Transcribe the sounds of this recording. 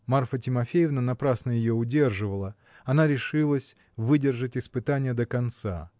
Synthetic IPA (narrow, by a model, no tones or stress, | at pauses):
marfətʲɪmɐfʲejɪvnənɐpɾasnəjɪjoʊdʲe̞rʐɨvəlˠə | ɐnaɾʲɪʂɨlˠəsʲ | vɨdʲɪrʐətʲɪspɨt̪anʲɪjəd̪əkɐnt̪sa̰